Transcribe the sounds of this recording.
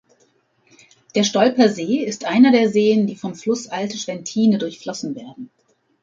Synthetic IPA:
d̥eːɐʃtɔlpɐzeːɪstʔaɪnɐdeːɐzeːəndiːfɔmflʊsʔaltəʃv̥ɛntʰiːnədʊɐçflɔsn̩veːɐdn̩

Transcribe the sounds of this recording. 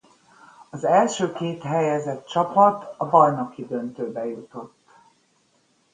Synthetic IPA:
ɒzɛlʃøːkeːt̪ɦɛjɛzɛt̪t͡ʃɒpɒt̪ɒbɒjno̞kid̪ø̞nt̪øːbɛjut̪o̞t̪ː

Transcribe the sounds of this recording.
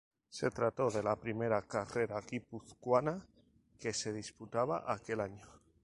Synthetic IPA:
se̞t̪ɾat̪o̞ð̞e̞lapɾime̞ɾakare̞ɾaɣipuθkwana | ke̞se̞ð̞isput̪aβ̞a̰ʔake̞laɲo

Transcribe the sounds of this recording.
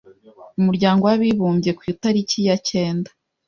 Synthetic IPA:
umuɾɟaːŋɡo̞waβiβuːmbje̞kwitaɾicijace̞ːndḁ

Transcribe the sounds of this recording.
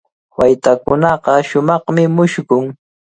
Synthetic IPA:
wajt̪akʊnɑqɑʃʊmɑχmɪmʊʃkʊŋ

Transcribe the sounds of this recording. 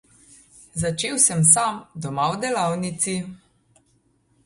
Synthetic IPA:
zat͡ʃeːwsɛms̬amd̪ɔmawd̪ɛlawnit̪si

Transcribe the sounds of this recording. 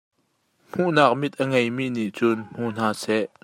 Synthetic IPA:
m̥uʔnaːk̚mit̪̚ʔəŋejmiʔniʔt͡sʊnm̥uʔn̥aːsɛʔ

